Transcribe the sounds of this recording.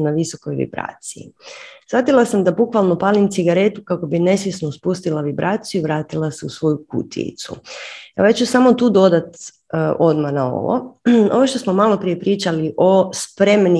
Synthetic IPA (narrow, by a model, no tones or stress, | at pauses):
naʋiso̞ko̞jʋḭbɾa̰ːt̪siḭsʋat̪ilˠasamd̪abukʋalˠno̞paːlimt̪siɡaɾe̞t̪ukako̞bine̞sjesnospust̪ilˠaʋibɾaːt̪sijuiʋɾaːt̪ilˠaseusʋo̞jukṵt̪ʰḭḭt̪sṵjeoat͡ɕt͡ʃusamot̪uːd̪o̞d̪at̪ | ʔo̞d̪manao̰ʋo̰oʋoʃt̪o̞smomalo̞pɾije̞pɾiːt͡ʃaliʔo̞spɾe̞mni